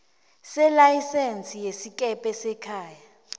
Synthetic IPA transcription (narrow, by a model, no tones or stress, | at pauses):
sɛlajisent͡sʼijesikʼɛpʼɛsɛkʰaːja